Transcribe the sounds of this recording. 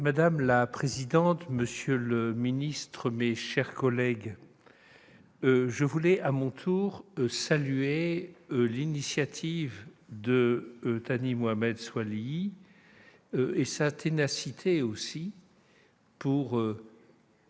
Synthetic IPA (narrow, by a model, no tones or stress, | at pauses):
mad̪amlapχezid̪ɑ̃t̪məsjøləminist̪χəmeʃɛʁkɔlɛɡ | ʒəvulɛʔamɔ̃t̪ʰuʁsalye | linisjat̪ʰivd̪ət̪animoamɛd̪swali | øesat̪ʰenasit̪ʰeosi | puʁø